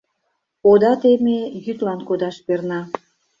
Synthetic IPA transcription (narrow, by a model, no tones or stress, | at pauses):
pod̪ɑt̪emejyt̪lɑnkod̪ɑʃpernɑ